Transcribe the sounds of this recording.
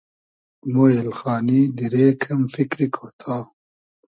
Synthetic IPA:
moːelxaːnid̪iɾeːkʰɐmfikɾikʰot̪ʰaː

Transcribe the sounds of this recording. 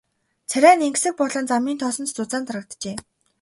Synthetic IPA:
t͡sʰæɾʲæːneŋksɘ̆k̚pɔɮɞ̆nt͡samiːnt̪ʰɔsɞ̆nt̪t͡sʊt͡saːnt̪rə̆k̚t̪t͡ɕeː

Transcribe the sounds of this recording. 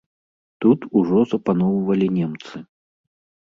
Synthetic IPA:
t̪ut̪uʐɔzɐpanɔwvɐlʲinʲɛmt̪sɨ

